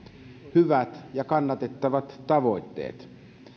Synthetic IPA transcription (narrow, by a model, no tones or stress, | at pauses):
hyʋæt̪jɑkɑnːɑt̪et̪ːɑʋɑt̪tɑʋo̞it̪ːḛːt̪